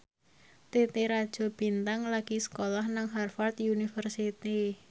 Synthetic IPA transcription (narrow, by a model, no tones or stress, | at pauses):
t̪et̪eɾad̥ʒ̥ɔ̤b̥i̤nt̪aŋlaɡ̥i̤sə̥kolahnaŋɦarfart̪junifərsit̪i